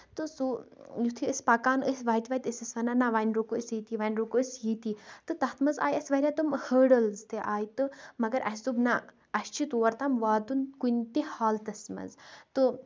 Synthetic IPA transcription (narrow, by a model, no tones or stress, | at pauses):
t̪ɨsujut̪ʰiəsʲpakaːnəsʋaːjit̪ʋait̪ʲəsʲɐsʋɐnanaʋaːnɾokuəsiːt̪iʋaːnʲɾokuəsjiːt̪it̪ɨt̪ɐht̪ʰmɐza̰ːjɐsʋɐɾʲat̪umhəːɖəlzt̪eʔaːjt̪ɨmɐɡɐɾʔɐssubna | ɐst͡ʃʰit̪oːɐɾt̪amʋaːd̪unkunt̪ehaːlt̪ɐsmɐ̰zt̪ɨ